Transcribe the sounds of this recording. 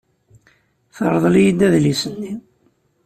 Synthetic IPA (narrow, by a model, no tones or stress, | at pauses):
θəɾˤðˤljid̪æðlisənːi